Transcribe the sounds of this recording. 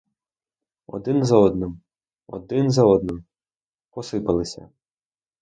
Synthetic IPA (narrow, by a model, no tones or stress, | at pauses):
ɔ̰d̪ɪnzɐɔd̪nɪm | ɔ̰d̪ɪnzɐɔd̪nɪm | pɔsɪpɐlˠɪsʲɐ̰